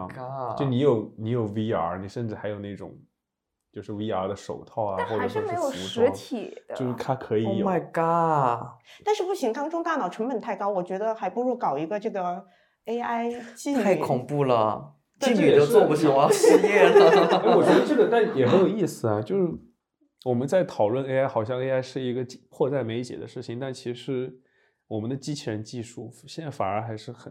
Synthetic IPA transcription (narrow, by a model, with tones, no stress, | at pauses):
a˥jni˧˥jo˨˧˩ʊni˧˥jo˨˩ʊwi˥a̰˧˥ni˨˩ʂə˥˧nʈ͡ʂɻ̩˥˩xa˧˥ɪjo˨˩ʊna˥˩ʈ͡ʂʊ̰˨˩˦ŋ | t͡ɕjo˥˧ʊʂɻ̩˥˩wi˥a˧˥d̪ə˧ʂo˨˩ʊt̪ʰɑ˥˩ʊa˨a˥˩xwɔ˥˩ʈ͡ʂʂɻ̩˥˩me˧˥ɪjo˨˩ʊu˧˥ɻ̩˧˥t̪ʰi˨˩d̪ə˦jo˥˧ʊʂ̩˥˩t̪ʰa˥kʰɤ˧˥i˨jma˥˩ɪka˥ | t̪a˥˧nʂɻ̩˥˧pu˥˩ɕi˧˥ŋk̪ɑ˥ŋʈ͡ʂʊ˥ŋt̪a˥˩nɑ˨˩ʊʈ͡ʂʰə˧˥ŋpə˨˩nt̪ʰa˥˩ɪkɑ˥ʊwɔ˨˩t͡ɕɥɛ˧˥d̪ə˧xa˧˥ɪpu˧˥ɻwɔ˥˩kɑ˨˩ʊi˧˥ɡə˧ʈ͡ʂɤ˥˩ɡə˩ | e˥ɪa˥ɪt͡ɕi˥˧a˥˩ɪ˩kʰʊ˨˩ŋpu˥˩lə̰˩ | t͡ɕi˥˧ny˥˩˨o˥wɔ˥˧pu˧˩ɕi˨˩a˧˥˧jɛ˥˩lə˩˧˥wɔ˨˩ɥɛ˥d̪ə˧ʈ͡ʂɤ˥˩ə˨˩t̪a˥˩˥jɛ˨˩xə˧˥jo˨˩ʊi˥˩sɹ̩˩ɐ˩t͡ɕjo˥˧ʊʂɻ̩˥˩ | wɔ˨˩mə˦nt͡sa˥˩ɪt̪ʰɑ˨˩ʊlwə˥˩˧ne˥a˥ɪxɑ˨˩ʊɕjɑ˥˧ŋe˥ɪa˥ɪʂɻ̩˥˩i˧˥ɡə˧t͡ɕpʰwɔ˥˧t͡sa˥˩ɪme˧˥ɪt͡ɕjɛ̰˨˩d̪ə˦ʂɻ̩˥˩t͡ɕʰi˨˩ŋt̪a˥˩nt͡ɕʰi˧˥ʂɻ̩˧˥ | wɔ˨˩mə˦nd̪ə˧t͡ɕi˥t͡ɕʰjɛ˧˥nt͡ɕi˥˧ʂu˥˩ɕjɛ˥˧nt͡sa˥˩ɪfa̰˨˩ə̰˞˧˥xa˧˥ɪʂɻ̩˥˩xə˨˩